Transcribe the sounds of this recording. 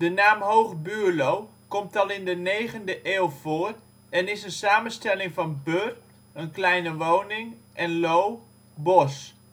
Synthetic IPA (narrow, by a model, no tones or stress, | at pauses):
dənaːmɦowχbyːlowkɔmtɑlˠɪndənejχəndəʔeːlˠv̥oːr | ɛnɪsənsaːmənstɛlɪŋvɑnbør | ənklɛjnəʋownɪŋʔɛnlow | bɔs